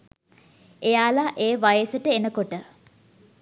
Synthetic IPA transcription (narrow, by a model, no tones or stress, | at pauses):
ejaːlaʔeːʋajəsəʈəenəkoʈə